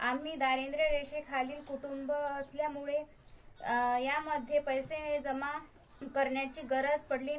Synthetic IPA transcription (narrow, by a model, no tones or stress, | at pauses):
amiːd̪aɾend̪ɾəɾeɕekʰaliːlkuʈumbəəsljamuɭe | jaməd̪ʱːjepəjsed͡zəma | kəɾɳjat͡ɕiːɡəɾəd͡zpəɽliː